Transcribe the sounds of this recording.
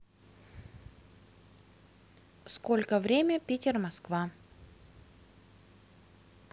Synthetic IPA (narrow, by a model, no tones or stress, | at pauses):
skolʲkəvɾʲemʲəpʲetʲɪrmɐskva